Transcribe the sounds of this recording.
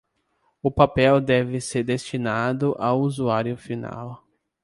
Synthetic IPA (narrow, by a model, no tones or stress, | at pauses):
ʊpapɛwd̪ɛvɪseɾd̪est͡ʃinad̪ʊʔawuzuaɾjʊfina̰w